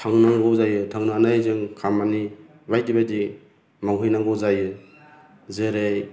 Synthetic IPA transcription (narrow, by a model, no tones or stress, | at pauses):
tʰaŋnaŋɡɔzajɯtʰaŋnanajzɯŋkʰamani | bajdibadi | maŋɦɯjnaŋɡɔzajɯ | zɯɾej